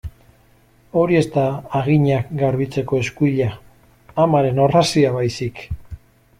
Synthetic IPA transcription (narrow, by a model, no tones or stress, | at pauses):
o̞ɾie̞st̪aːɣiɲakɡaɾβit͡se̞ko̞e̞skuiʎaː | maɾe̞no̞rasiaβajsik